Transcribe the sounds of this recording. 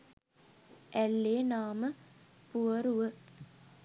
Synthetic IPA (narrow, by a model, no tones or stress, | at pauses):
ælːeːnaːməpuɐɾuʋə